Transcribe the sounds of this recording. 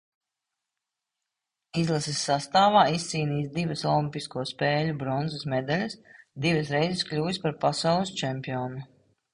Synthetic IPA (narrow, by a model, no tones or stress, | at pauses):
izlˠasisːast̪aːvaːisːiːniːsd̪ivɐsɔlˠimʲpiskuɔspɛːlʲubɾɔnzɨsmɛd̪alʲɐsd̪ivɐsɾɛjzɪsklʲuːjspaɾpasawlˠɨst͡ʃɛmpiɔːnu